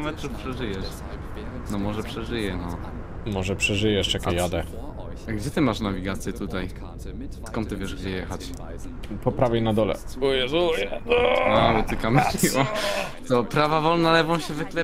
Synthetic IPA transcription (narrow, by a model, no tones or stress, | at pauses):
mɛtɾufpʂɛʐɘjɛʂ | nɔmɔʐɛpʂɛʐɘjɛnɔ | mɔʐɛpʂɛʐɘjɛʂakʲɛjad̪ɛ | aɡd͡ʑɛt̪ɘmaʂnavʲiɡat̪sʲjɛt̪ut̪aj | t̪kɔnt̪ːɨvʲjɛʐɡd͡ʑɛjɛxat͡ɕ | pɔpɾavʲjɛjnad̪ɔlɛ̰ujɛzujɛalɛt̪ɘkamɛiɔt̪ɔpɾavavɔlnalɛvɔ̃w̃ɕɛvɘklɛ